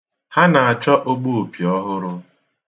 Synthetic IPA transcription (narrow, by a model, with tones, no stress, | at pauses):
ha˦na˨a˨t͡ʃɔ˦ʔo˦ɡ͡bo˦o˨pi˨ɔ˦ɦʊ˦ɾʊ˦